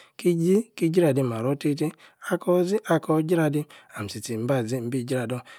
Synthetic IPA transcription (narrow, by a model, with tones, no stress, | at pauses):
ki˦d͡ʒi˦ki˦d͡ʒi˦ɾa˨di˧m˨a˨ɾɔ˦te˦te˦a˦kɔ˦zi˦ʔa˧kɔ˧˦d͡ʒi˦ɾa˧di˦a˨m̩˨si˨ti˨m̩˦ba˦˨zi˦˨m̩˦bi˦˨d͡ʒi˦ɾa˨dɔ˦